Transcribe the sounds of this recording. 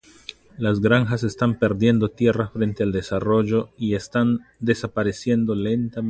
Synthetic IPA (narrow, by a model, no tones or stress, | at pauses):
lazɡɾaŋxase̞st̪ampe̞ɾd̪je̞nd̪o̞t̪je̞rafɾe̞nt̪e̞ald̪e̞saro̞ʝo̞ie̞st̪and̪e̞sapaɾe̞sje̞nd̪o̞le̞nt̪a